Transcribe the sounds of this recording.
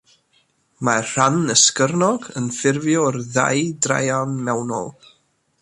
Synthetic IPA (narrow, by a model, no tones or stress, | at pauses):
mar̥anəskərnɔɡənfɪrvjɔrða̰jdra̰janmɛwnɔ̰lˠ